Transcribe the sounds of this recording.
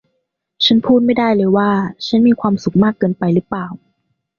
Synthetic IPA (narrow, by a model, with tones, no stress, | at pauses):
t͡ɕʰa˦˥npʰuː˥˩t̪̚ma˥˩jda˥˩jlɤː˧jwaː˥˩t͡ɕʰa˦˥nmiː˧kʰwaː˧msu˨˩k̚maː˥˩kːɤː˧npa˧jlɯː˦˥plaː˨˩w